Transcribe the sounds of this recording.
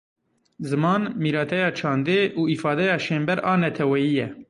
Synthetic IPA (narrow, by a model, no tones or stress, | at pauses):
zɨmɑːnmiːɾɑːt̪ʰɛjɑːt͡ʃʰɑːnd̪eːʔuːifɑːd̪ɛjɑːʃeːmbɛɾɑːnɛt̪ʰɛwɛjiːjɛ